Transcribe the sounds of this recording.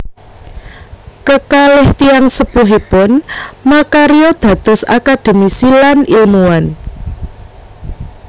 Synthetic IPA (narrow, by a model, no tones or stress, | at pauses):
kəkalɪht̪ijaŋsəb̥uɦipʊnmakaɾiɔd̪̥ä̤d̪̥ɔ̤sa̰kad̪̥e̤misilanilmuan